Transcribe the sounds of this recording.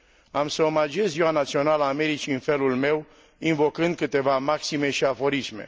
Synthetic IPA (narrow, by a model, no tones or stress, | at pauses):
amsəomad͡ʒie̞zziwanat̪sio̞naləːme̞ɾit͡ʃiɨnfe̞lulme̞w | invo̞kɨnd̪̚kɨt̪e̞vamaksime̞ʃiafo̞ɾisme̞̰